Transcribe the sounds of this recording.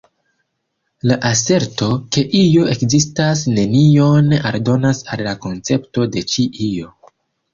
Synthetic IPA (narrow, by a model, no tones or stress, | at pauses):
laʔase̞ɾto̞ke̞ʔijoe̞kzistasne̞nio̞naɾdo̞nasalːako̞nt͡se̞pto̞de̞t͡ʃiʔijo